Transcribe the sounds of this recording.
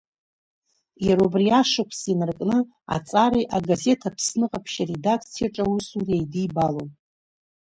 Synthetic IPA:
jaɾobriaʂakʷʰsinɨrkʼnɨ | a̰t͡sʼaɾijʔaɡaze̞tʰapʰsnɨqʼapʰʃaredakʰt͡sʰijaʈ͡ʂʼawusuriejdibalon

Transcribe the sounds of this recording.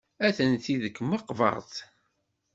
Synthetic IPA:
æθənt̪iðəkːməqːvɑ̰ʁˤθ

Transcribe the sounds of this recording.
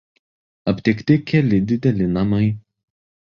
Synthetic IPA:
ɐpʲt̪ʲɪkt̪ʲɪkʲɛlʲɪd̪ʲɪd̪ʲɛlʲɪnɐmɐɪ

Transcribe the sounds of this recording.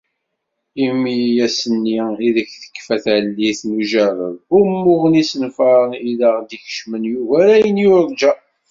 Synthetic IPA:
imːijæsənːiiðəçθə̥kːfæθʕlːiθnuʒævə̰vʊmːʊʁnisənfɑɾˤəniləʁd̪içə̥ʃmənjuvæɾæjənjʊɾd͡ʒæ

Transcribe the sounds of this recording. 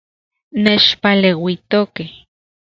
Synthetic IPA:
neːt͡ʃpalewit̪okeh

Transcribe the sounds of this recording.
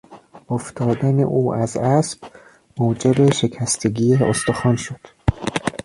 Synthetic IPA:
oft̪ʰɒːd̪ænḛʔuːʔæzæsb̥ | moːd͡ʒe̞be̞ʃe̞cʰæst̪ʰe̞ɡʲiːeo̰st̪oxɒːnʃod̪̥

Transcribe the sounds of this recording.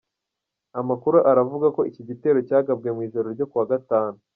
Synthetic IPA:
amakuɾuʔaɾavuɡako̞iciɟite̞ːɾo̞caːɡab̚ɡe̞mwiːʒo̞ɾo̞ɾɟo̞kuwaɡataːnu

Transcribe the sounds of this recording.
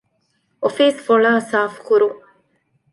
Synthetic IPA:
ʔofiːsfoɭaːsaːfkuɾu

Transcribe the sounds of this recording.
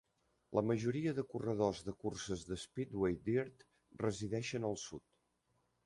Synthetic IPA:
ləməʒuɾiəðəkurəð̞ozðəkursəzðəspid̪wejd̪iɾt̪ | rəziðɛʃənəlˠsut̪

